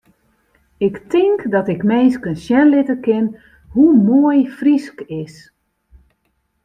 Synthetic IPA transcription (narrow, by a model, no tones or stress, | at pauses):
ɪktʰɪŋkdɔtɪkmejskənʃjɛnlɪtəkɪn | humoəjfriskɪs